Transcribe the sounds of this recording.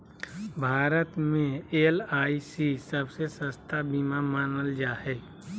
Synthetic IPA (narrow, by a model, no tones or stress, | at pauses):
bʱaːɾət̪mẽeːlaːisisəbsesəst̪ʰabimamaːnəld͡ʒaːɦɛː